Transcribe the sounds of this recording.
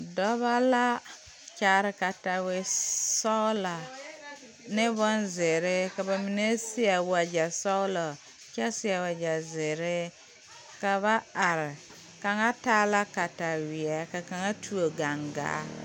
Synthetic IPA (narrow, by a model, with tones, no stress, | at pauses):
dɔ˦βa˦la˦ | t͡ʃa˨ɾɪ˨ka˨ta˨we˦sɔ˦la˨ | nɪ˦bɔ˦nzɪ˨ɾɪ˦ka˨ba˨mi˨ne˦si˦ɛ˨wa˨d͡ʒa˨sɔ˦lɔ˨ | ka˦sɪ˦a˨wa˨d͡ʒa˨zɪ˨ɾɪ˦ | ka˨βa˦a˨ɾɪ˨ | ka˨ŋa˦taː˦la˦ka˨ta˨wɪ˨ɛ˦ka˨ka˨ŋa˦tʰu˦o˨ɡa˨ŋɡa̰ː˨˦